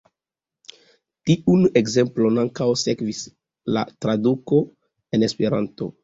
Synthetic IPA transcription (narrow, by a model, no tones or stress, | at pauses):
tiʔune̞kze̞mplo̞naŋkawse̞kvis | la̰tɾaduko̞ | e̞ne̞spe̞ɾa̰nto̞̰